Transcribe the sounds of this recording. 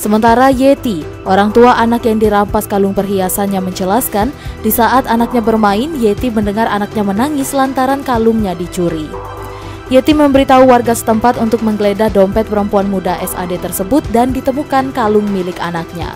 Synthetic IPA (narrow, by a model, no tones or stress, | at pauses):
səmənt̪aɾajet̪i | ʔoɾaŋt̪uaʔanakjaŋdiɾampaskalʊŋpərɦiasanɲaməɲt͡ʃəlaskandisaʔat̪anak̚ɲabərmaɪnjet̪iməndəŋaranak̚ɲamənaŋɪslant̪aɾankaluŋɲadit͡ʃuɾi | jet̪iməmbəɾit̪auwarɡasə̥t̪əmpat̪unt̪ʊk̚məŋɡəledahdɔmpɛt̪̚pəɾəmpuanmudaʔɛsa̰det̪ərsəbʊt̪̚dandit̪əmukankalʊŋmilɪkanak̚ɲa̰